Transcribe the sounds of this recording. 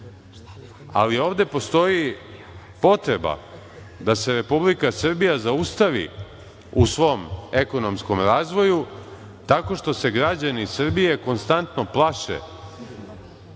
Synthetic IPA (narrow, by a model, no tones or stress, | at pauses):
a̰lio̞ːʋd̪e̞po̞st̪o̞ji | po̞t̪ɾe̞ba̰ | d̪ase̞ɾe̞publikasr̩bijazaust̪aʋḭ | usʋo̞ːme̞ko̞no̞mskomɾaːzʋo̞ju | t̪ako̞ʃt̪o̞se̞ɡɾad͡ʑanisr̩bije̞ko̞nst̪ant̪no̞plˠaʃḛ